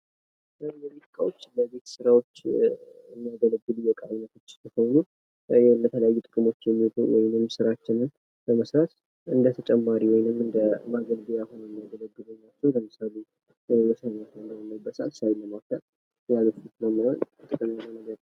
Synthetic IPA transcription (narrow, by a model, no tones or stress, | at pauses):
jɛlit̪ɨkʼawot͡ʃːləβe̞t̪sɨɾawo̞t͡ʃːɨnːijaɡələɡːɨlujɛkʼanət̪ʰo̞t͡ʃːsɨhonu | jɛlət̪ʰələjajːut̪ʼɨkʼɨmo̞t͡ʃːjɛmːiot̪ʼuwɔjɪnɨmsɨɾat͡ʃːɪnɨn | bəməsɾat̪ | ɨnd̪ət̪ʰət͡ʃʼɛmːaɾiwɔjɪnɨmɨnd̪əmaɡəlbijahɦonɛnːijaɡələɡːɨluɲːat͡ʃːɛwləmɨsale̞ | wɔsənat̪ʰnd̪əjmːəbəsa̰sawiləmawt̪ʰal | jaləfɨt̪nəwmawənt̪ʼɨkʼɨmanənəɡəd̪